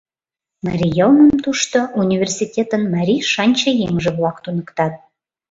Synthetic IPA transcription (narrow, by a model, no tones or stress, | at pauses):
mɑɾʲijəlnəmt̪uʃt̪oʔunʲivʲersitʲet̪ənmɑɾʲiʃɑnʲt͡ɕɑjeŋʒeβlɑkt̪unəkt̪ɑt̪̚